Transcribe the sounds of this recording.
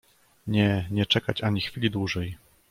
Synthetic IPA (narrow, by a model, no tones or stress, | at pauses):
ɲɛɲɛt͡ʂɛkat͡ɕaɲixfʲilʲid̪wuʐɛj